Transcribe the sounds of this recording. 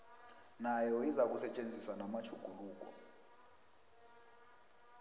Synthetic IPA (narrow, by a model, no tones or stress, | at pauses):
najɔizak̬usɛt͡ʃʼend͡zʱiswanamat͡ʃʰuɡ̥ʱuluːk̬ɔ̰